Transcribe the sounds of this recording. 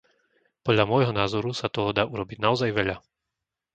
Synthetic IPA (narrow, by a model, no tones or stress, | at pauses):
pɔd̪ʎamɔjɦɔnaːzɔɾusat̪ɔɦɔd̪aːʔuɾɔbiɟnaɔzajʋɛʎa